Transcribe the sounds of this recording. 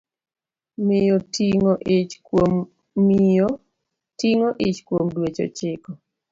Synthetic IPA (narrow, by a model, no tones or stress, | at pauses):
mɪjɔtiŋɔʔɪt͡ʃkomː | io | tiŋoʔɪt͡ʃkwomdwet͡ʃɔ̰t͡ʃɪkɔ